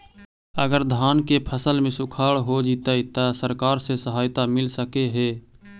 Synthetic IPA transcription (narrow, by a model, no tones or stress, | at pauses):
əɡəɾd̪ʱaːnkepʰəsəlmẽsʊkʰaːɽɦod͡ʒiːt̪aɪt̪asəɾkaːɾsesəɦaːjt̪amɪlsəkeɦeː